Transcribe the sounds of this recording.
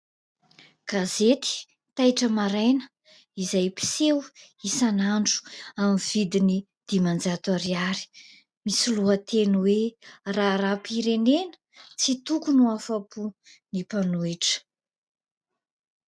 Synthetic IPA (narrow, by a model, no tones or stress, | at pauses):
ɡ̥azet̪i̥ | t̪ajʈ͡ʂəmaɾajnə̥ | izajpi̥sewisanaɳɖ͡ʐu̥amivid̪ini | d̪̥imand͡zat̪aɾiaɾi̥ | misiluət̪ʰenuweraɾapiɾenenə̥ | t͡sit̪ukunuafapunipanuiʈ͡ʂə̥